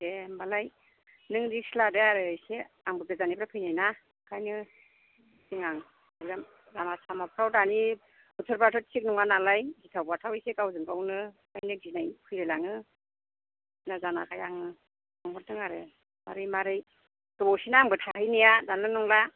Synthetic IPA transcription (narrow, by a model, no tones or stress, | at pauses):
embalaj | nɯŋdisiladeaɾɯjse | aŋbɯɡɯzanibɾapʰɯjnajna | kʰajnɯ | diŋaŋ | azam | lamasamap̚ʰɾawdani | butʰɯɾpatʰɔtsik̚nɔŋanalajɡitʰawbatʰawejsekawzɯŋkawnɯkajnɯɡinajpʰɯjɾɯlaŋɯ | nazana̰kʰajaŋɯ | aŋhɔɾtɯŋaɾɯ̰ | ma̰ɾɯjmaɾɯj | tɔbɔsinaːŋbɯtʰahɯjnijadanlɯnɔŋla